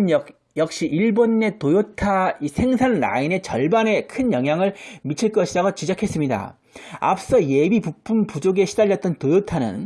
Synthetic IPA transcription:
n | jʌk̚ɕ͈iʔiɭbonːe̞tojotʰaisʰe̞ŋsʰanɾa̰ine̞t͡ɕʌɭbane̞kʰɯnjʌŋɦjaŋɯɭmit͡ɕʰiɭk͈ʌɕʰidaɡat͡ɕid͡ʑʌkʰe̞s͈ɯmɲida̰ | a̰p̚s͈ʌje̞bipupʰumpud͡ʑoɡe̞ɕʰidaʎːʌt̚t͈ʌntojotʰanɯ̰n

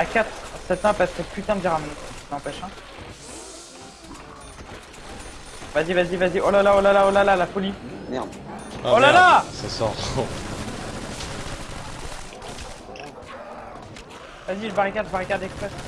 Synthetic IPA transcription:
akʲat̪sɛt̪ɛ̃paskəplyt̪ɛ̃d̪d̪iʁamnnɑ̃pɛʃɛ̃ | vazivazivaziʔolalaolalaolalalafɔliɛd̪ | olalasasɔʁɔ | vaziʒəbaʁikʲad̪ʒbaʁikad̪ɛkspχɛs

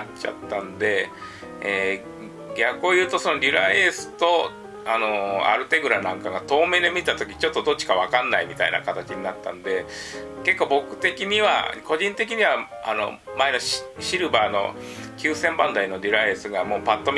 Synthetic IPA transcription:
t͡ɕa̰t̪ːãnd̪e̞ | eː | ɡʲakːoːjɯ̟ːt̪o̞so̞no̞ɾʲiɾaesɨ̥t̪o̞ | ano̞a̰ɾɯ̟t̪e̞ɡɯ̟ɾanãŋkaɡat̪o̞ːme̞ːd̪e̞mʲit̪at̪o̞k̬ʲi̥t͡ɕo̞t̪ːo̞d̪o̞tt͡ɕːi̥kaβ̞akãnːaimʲit̪a̰ina̰kat̪at͡ɕiɲ̟inat̪ːa̰nd̪e̞ke̞kːo̞ːbo̞kɯ̟̥t̪e̞kʲiɲ̟iβa̰ko̞ʑĩnt̪e̞k̬ʲiɲ̟iβa | a̰no̞̰maeno̞ɕiɾɯ̟baːno̞̰ | kʲɨːsẽ̞mbãnd̪aino̞ɾʲiɾaesɨɡamo̞ːpat̪ːo̞mʲ

